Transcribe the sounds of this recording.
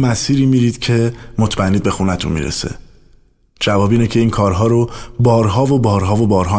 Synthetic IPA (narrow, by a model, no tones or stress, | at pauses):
mæsiːɾiːmiːɾiːd̪̥cʰe̞mo̞t̪ʰmænːiːd̪be̞xunæt̪ʰṵnmḭːɾḛsḛ | d͡ʒævɒːbiːnecʰe̞iːnkʰɒːɾɦɒːɾo̞bɒːɾɦɒːvobɒːɾɦɒːvo̞bɒːɾɦɒː